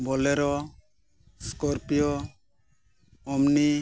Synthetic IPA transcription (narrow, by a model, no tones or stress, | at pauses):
bɔlɛɾɔ | skɔɾpijɔ | mni